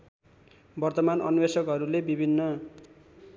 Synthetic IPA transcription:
bʌrt̪ʌmanʌ̰nwesʌkɦʌɾulebibʱinːʌ

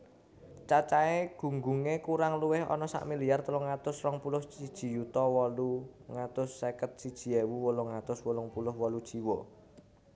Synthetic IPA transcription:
t͡ʃat͡ʃaeɡ̥ṳŋɡuŋekuɾaŋluwɪhɔ̰nɔsa̰ʔmiliart̪əlɔŋat̪ʊsrɔŋpulʊht͡ʃid̥ʒ̥i̤jut̪ɔwɔluŋat̪ʊsːekət̪̚sid̥ʒ̥i̤ewuwɔlɔŋat̪ʊswɔlɔŋpulʊhwɔlud̥ʒ̥iwɔ

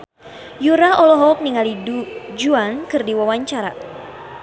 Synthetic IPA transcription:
juɾaɔlɔɦɔk̚niŋalidud͡ʒuaŋkɨrdiwawaɲt͡ʃaɾa̰

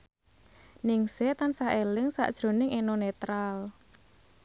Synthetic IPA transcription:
niŋset̪ansaʔelɪŋsa̰ʔd̥ʒ̥ɾo̤nɪŋenonet̪ɾal

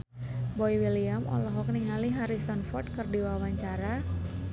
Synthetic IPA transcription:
bɔjwiliamɔ̰lɔɦɔk̚niŋaliɦaɾisanfɔrt̪̚kərdiwawaɲt͡ʃaɾa

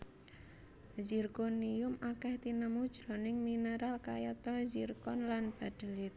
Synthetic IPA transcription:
zirkoniʊmakɛht̪inəmud̥ʒ̥ɾɔ̤nɪŋminəɾalkajat̪ɔhzirkɔnlanb̥a̤d̪̥ə̤lɪt̪̚

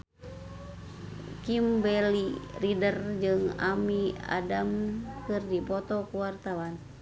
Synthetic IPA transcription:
kimbɛliridərd͡ʒɨŋa̰mia̰damkɨrdipɔt̪ɔkuwart̪awan

